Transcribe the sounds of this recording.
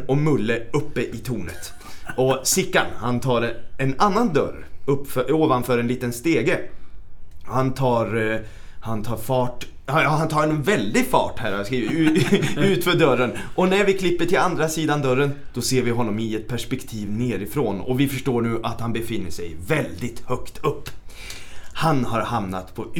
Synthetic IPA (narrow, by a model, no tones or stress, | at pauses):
ɔmɵlːəɵpːəʔɪt̪ʰuːnə̰t̪ | ɔsɪkːanhant̪ʰɑːɾɛnanːand̪œ̰ɾɵpːfœoːvanfœːɾɛnliːt̪ənst̪eːɡə | hant̪ʰɑːɾ | hant̪ʰɑːɾfɑːʈ | aɑhant̪ʰɑːɾɛnvɛld̪ɪɡfɑ̰ːʈhæːɾhaskɾiːvɪʉʉ̟ːt̪fœɖœɾənʔɔnæɾvɪkʰlɪpːəʈʰɪland̪ɾasiːd̪and̪œɾːənd̪̥ɔseːɾvɪɦɔnːɔmɪɛt̪̚pʰæʂpɛkt̪ʰiːvneːɾɪfɾoːnɔ̰vɪfœʂʈoːɳʉ̟ːʔat̪hanbɛfɪnːəʂɛ̰jvɛld̪ɪt̪hœkt̪ʰɵpː | hanhaɾhamna̰t̪pʰɔ